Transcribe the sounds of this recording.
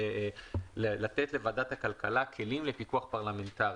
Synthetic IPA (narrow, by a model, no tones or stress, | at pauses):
ellat̪et̪le̞vadat̪akalkalakʰe̞limle̞pikuaχpaʁlame̞nt̪aʁ